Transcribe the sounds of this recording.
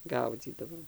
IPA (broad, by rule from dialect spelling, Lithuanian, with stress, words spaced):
ˈɡɐʊd͡zʲiːdɐʋoːm